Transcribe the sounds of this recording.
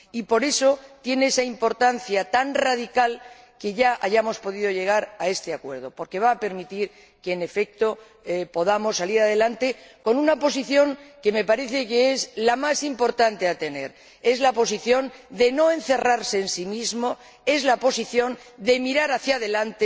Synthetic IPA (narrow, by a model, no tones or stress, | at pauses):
ipo̞ɾe̞so̞t̪je̞neesaimpo̞ɾt̪anθjat̪anraðikal | ke̞ʝaʔaʝamo̞spo̞ðiðo̞ʝe̞ɣ̞aɾae̞st̪eakwe̞ɾð̞o̞po̞ɾke̞β̞aːpe̞ɾmit̪iɾ | keːne̞fe̞k̚t̪o̞ | po̞ðamo̞sːaliɾaðe̞lant̪e̞ko̞nũnapo̞siθjo̞ŋke̞me̞paɾe̞θe̞keezlamasimpo̞ɾt̪ant̪e̞at̪e̞ne̞̰ɾ | e̞zlapo̞s̬iθjo̞nd̪e̞no̞ẽ̞nθe̞raɾse̞ːnsimizmo̞ | e̞zlapo̞siθjo̞nd̪e̞miɾaɾaθjaðe̞lant̪e